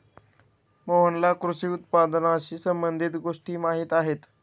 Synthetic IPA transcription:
moɦənlakɾuʂiːut̪pad̪naɕiːsəmbənd̪ʱit̪ɡoʂʈiːmaɦiːt̪aɦet̪

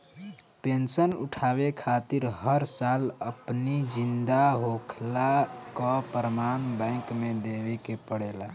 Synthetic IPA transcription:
pensənṵʈʰabekʰat̪iɾɦəɾsaləpnid͡ʒind̪aɦokʰlakɔpɾəmanbɛ̃ɪ̃ŋkmed̪ebekepəɽela

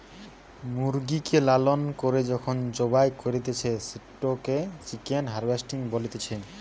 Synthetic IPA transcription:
muɾɡikelalonkoɾed͡ʑɔkʰond͡ʑobajkoɾit̪et͡ɕʰesiʈːoket͡ɕikenɦaɾbesʈiŋbolit̪et͡ɕʰe

